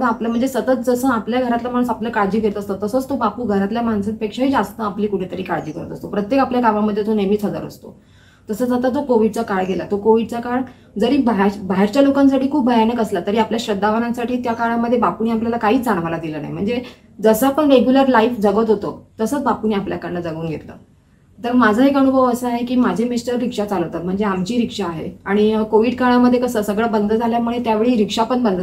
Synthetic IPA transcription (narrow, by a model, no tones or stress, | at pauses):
ə̃apləm̤əɳd͡zesət̪ət̪̚d͡zəsəːapljaɡʱəɾat̪lam̤aɳ̃ũːsapljakaɽd͡ʑiːkiɾət̪əst̪ət̪əsət͡st̪obapuːɡʱəɾat̪ljam̤aɳsət̪̚pekʂaɦiːd͡zast̪əapliːkuʈʰet̪əɾiːkaɽd͡ʑiːkəɾət̪əst̪opɾət̪jekapljakaʋaməd̪ʱːjet̪onemiːt͡sʰəd͡zə̰ɾə̰st̪o̰ | t̪əsəːsət̪əd͡zokoʋiɖt͡sakaɭɡelat̪okoʋiɖt͡sakaɽ | d͡zəɾiːbaɦbaɦeɾt͡ɕjalokãns̬aʈiːkʰuːbbʱəjanəkəslat̪əɾiːapljaɕɾəd̪ʱːaʋənãnsaʈʰiːt̪jakaɭaməd̪ʱːjebapuniːapljalakaɦiːd͡zaɳ̃ʋalad̪iləna̰jm̤əɳd͡ze | d͡zəsəapəɳɾeɡjuləɾlaifd͡zəɡət̪ɦot̪o̰t̪əsəːt͡sbapuniːapljakaɽlad͡zəɡuːnɡʱḛt̪lə̰ | t̪əɾmad͡zʱəɦekəɽ̃ubʱəʋəsəaɦekiːmad͡ʑʱemisʈəɾːikʂat͡saləʋt̪at̪̚m̤əɳd͡zeamt͡ɕiːɾikʂaːɦḛaɽ̃ikoʋiːɖkaɭaməd̪ʱːjekəsəːsəɡɭəbənd̪ʱəd͡zʱaljamuɭet̪jaʋeɭiːɾikʂapəɳbənd̪ʱə